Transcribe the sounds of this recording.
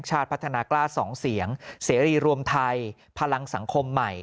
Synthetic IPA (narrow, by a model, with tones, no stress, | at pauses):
t͡ɕʰaː˥˩t̪̚pʰa˦˥t̪ʰa˧naː˧klaː˥˩sɔː˩˦ŋsi˩˦əŋseː˩˦ɾiː˨˩ɾu˧əmt̪ʰa˧j | pʰa˧la˧ŋsa˩˦ŋkʰo˧mːa˨˩j